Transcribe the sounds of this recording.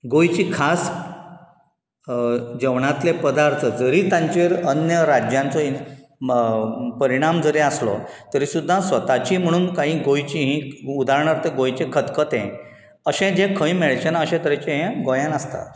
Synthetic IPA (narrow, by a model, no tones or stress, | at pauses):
ɡojt͡ɕiːkʰas | d͡ʑəʋɳat̪lepəd̪aɾt̪ʰəd͡zəɾiːt̪ãɲt͡ɕeɾənjəɾad͡ʑjãnt͡sɔi | pəɾiɽ̃amd͡zəɾeaslɔ̰t̪əɾisud̪ʱːãsʋət̪at͡ɕiːm̤əɽ̃uːnkaɦĩɡojt͡ɕiɦĩud̪ʱaɾɳaɾt̪eɡojt͡ɕẽkʰət̪kət̪ḛ̃ | əɕẽd͡ʑẽkʰə̃jmeɭt͡ɕanaəɕẽt̪əɾet͡ɕẽɦẽɡojãnəst̪a̰t̪